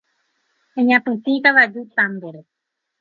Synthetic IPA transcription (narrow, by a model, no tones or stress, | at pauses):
ẽɲãpɨ̃t̪ĩkaβad͡ʒut̪ãmd̪eɾe